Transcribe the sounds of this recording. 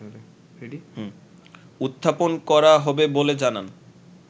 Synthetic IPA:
ih | ut̪ʰːaponkɔɾaɦɔbeboled͡ʑanan

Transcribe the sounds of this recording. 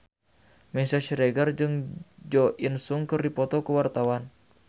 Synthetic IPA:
mɛsaʃɾɛɡard͡ʒɨŋd͡ʒɔʔinsuŋkɨrdipɔt̪ɔkuwart̪awan

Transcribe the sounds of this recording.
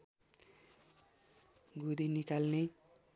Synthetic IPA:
ɡud̪inikalne

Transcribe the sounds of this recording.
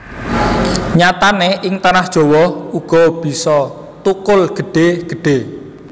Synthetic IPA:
ɲat̪aneʔɪŋt̪anahd̥ʒ̥ɔ̤wɔuɡ̥ɔ̤b̥i̤sɔ | t̪ukʊlɡ̥ə̤ɖ̥e̤ɡ̥ə̤ɖ̥e

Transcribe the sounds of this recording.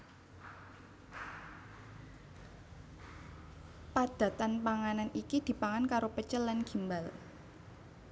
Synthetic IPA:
pad̪̥a̤t̪anpaŋananikid̪̥i̤paŋankaɾopət͡ʃəlːanɡ̥i̤mbal

